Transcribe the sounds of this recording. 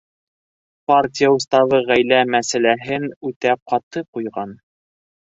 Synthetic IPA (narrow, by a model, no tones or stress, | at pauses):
partʲijaŭst̪ɑβɤʁæjlæmæsælæɦɘnʉt̪æp̚qɑt̪ɤqujʁɑn